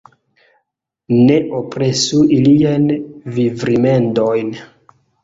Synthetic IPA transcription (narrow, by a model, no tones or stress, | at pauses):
ne̞ʔopɾe̞suiliajnvivɾime̞ndojn